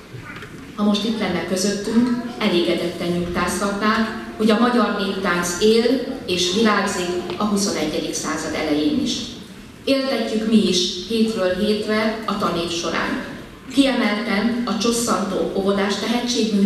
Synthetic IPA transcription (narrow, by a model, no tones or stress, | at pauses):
hɒmo̞ʃt̪it̪lɛnːɛkːø̞zø̞t̪ːyŋkɛleːɡɛd̪ɛt̪ːɛnːukt̪aːshɒt̪naːkho̞ɟɒmɒɟɒrneːkt̪aːnzeːleːʃʋilaːɡzikɒɦuso̞nɛɟːɛd̪iksaːzɒd̪ɛlɛjeːnḭʃ | eːlt̪ɛcːykmiiʃheːt̪røːlɦeːt̪rɛɒt̪ɒneːfʃo̞ɾa̰ːn | kiɛmɛlt̪ɛnɒt͡ʃo̞sːɒnt̪oːʔovo̞d̪aːʃt̪ɛɦɛct͡ʃːeːɡy